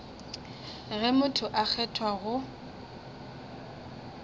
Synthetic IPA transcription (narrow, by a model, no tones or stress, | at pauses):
ɣɛmʊtʰʊʔak͡xʰɛtʰwaɣʊ